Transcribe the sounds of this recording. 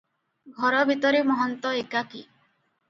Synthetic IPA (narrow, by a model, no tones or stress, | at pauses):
ɡʱɔɾɔbʱit̪ɔɾimɔɦɔnt̪ɔekaki